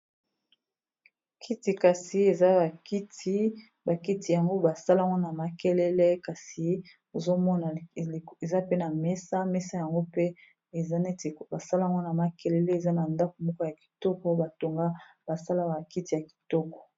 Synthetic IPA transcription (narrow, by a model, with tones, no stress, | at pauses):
kʰi˦ti˨ka˨si˨e˨za˦ba˨ki˦ti˦ | ba˨ki˦ti˨ja˨ŋɡo˦ba˨sa˦la˦˨ŋɡo˦na˨ma˨kɛ˦lɛ˦lɛ˦ka˨si˨ | o˨zo˦mɔ˦na˨e˨za˦pe˦na˨mɛ˦sa˦mɛ˦sa˦ja˨ŋɡo˦pe˦˨ | a˦ne˦tba˨sa˦la˦˨ŋɡɔ˦na˨ma˦kɛ˦lɛ˦lɛ˦e˨za˦na˨nda˦ko˨mɔ˦kɔ˦ja˨ki̥˨tɔ˦kɔ˦ba˨to˨ŋɡa˦ba˨sa˦la˦ba˨ki˦ti˨ja˨ki̥˨tɔ˦kɔ̥˨